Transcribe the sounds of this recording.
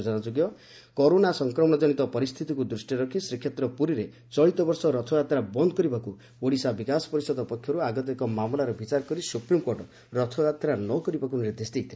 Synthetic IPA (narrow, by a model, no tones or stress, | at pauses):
d͡ʒɔnad͡ʒoɡjɔ | kɔɾonasɔŋkɾɔmɔɽ̃ɔd͡ʒɔɽ̃it̪ɔpɔɾist̪ʰit̪ikud̪ɾusʈiɾɔkʰisɾikʰːjet̪ɾɔpuɾiɾe | t͡ʃɔɭit̪ɔbɔɾsɔɾɔt̪ʰɔjat̪ɾabɔnd̪ɔkɔɾibaku | oɽisabikasɔ̥pɔɾisɔd̪ɔpɔkʰjɔɾuaɡɔt̪̬ekɔmamɔlaɾɔbit͡ʃaɾɔkɔɾisupɾimkoɾʈɔ | ɾɔt̪ʰɔat̪ɾanɔkɔɾibakuniɾd̪esd̪ejt̪ʰil